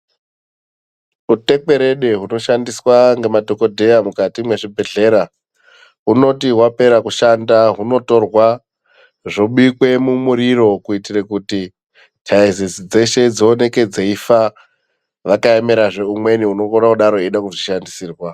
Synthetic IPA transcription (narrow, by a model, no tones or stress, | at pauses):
ute̞k͡pe̞ɾe̞ɗeɦuno̞ʃandiswaŋɡe̞madʱo̞ko̞dʱe̞amukatimwe̞ʐibʱe̞ɮe̞ɾa | uno̞tiɦwape̞ɾakuʃandaɦuno̞to̞rwa | ʐo̞ɓuikwe̞mumuɾiɾo̞kuitirekuti | tʰaizisid͡ze̞ʃe̞d͡zoone̞ke̞d͡zeifa | ʋakaemeɾaʐe̞umwe̞niunoonakuɗaɾo̞iɗakuʐiʃandisiːrwa